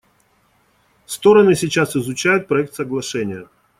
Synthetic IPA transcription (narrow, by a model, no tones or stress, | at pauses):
st̪o̞ɾənɨsʲɪt͡ɕasɪzʊt͡ɕæjʊt̪̚pɾɐɛk̚t̪səɡlˠɐʂɛnʲɪjə